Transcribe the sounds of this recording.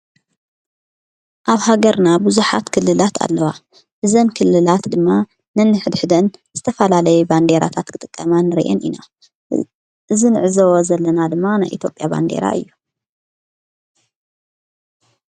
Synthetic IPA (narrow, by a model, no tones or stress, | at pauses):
ʔaβhaɡɐɾnabɨzuħa̰t̪kʰɨlːɨlat̪ʰa̰lːɐwa | ʔɨzɐmkʰɨlːɨlat̪d̪ɨmːa | nɐnːɨħɨd̪ħɨd̪ɐnz̥ɨt̪ʰɐfɐlalɐjuband̪eɾa̰t̪ʰat̪kʰɨt̪ʼɨkʼːɐmanɨɾʔɛ̰nʔina | ʔɨzinɨʕɨzɐwozɐlːɐnad̪ɨmːanajʔit̪jo̞pʼjaba̰nd̪e̞̰ɾa̰ʔɨ̰jːu